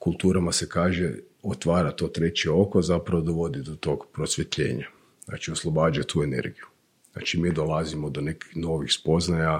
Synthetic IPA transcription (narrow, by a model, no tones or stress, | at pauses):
kulˠt̪uːɾamase̞kaːʒe | ot̪ʋaːɾat̪o̞ːt̪ɾe̞t͡ɕeo̞kozapɾaʋod̪oʋo̞d̪id̪ot̪o̞kpɾot̪sʋʲet̪ʎḛːɲa | zna̰ːt͡ʃioslˠobaːd͡ʒuat̪uːe̞ne̞̰ɾɡiju | zna̰ːt͡ʃimid̪olˠazimod̪one̞ki̥xno̞ʋixspo̞znaja